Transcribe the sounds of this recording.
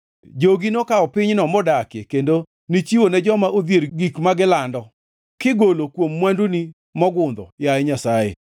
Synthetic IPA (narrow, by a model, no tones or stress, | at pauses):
d͡ʒoɡinokaɔpɪɲnɔmɔdakekendo | nit͡ʃiwonɛd͡ʒɔmaʔod̪jeɾɡikmaɡɪlandɔ | kɪɡolokwomːwanduni | mɔɡʊnd̪ɔjaɛɲasajḛ